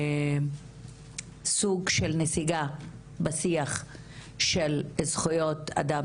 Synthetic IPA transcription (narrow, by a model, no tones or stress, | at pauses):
suɡʃelnesiɡa | basiaχ | ʃelezχujo̞t̪a̰d̪a